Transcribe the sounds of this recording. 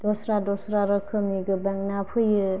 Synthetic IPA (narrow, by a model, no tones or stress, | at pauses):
d̥ɔsɾadɔsɾaɾɯkʰɯmiɡɯbaŋnapʰɯjɯ